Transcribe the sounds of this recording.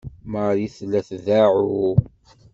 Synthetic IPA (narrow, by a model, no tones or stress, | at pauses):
məɾjiθlːæθðaʕu